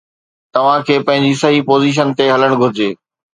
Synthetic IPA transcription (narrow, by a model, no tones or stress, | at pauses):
t̪ɐʋ̤ãkʰeːpɐ̃ɦɪ̃ɲd͡ʑisɐɦipoːziːʃ̬ənt̪eɦɐləɽ̃ɡʱʊɾɪd͡ʑeː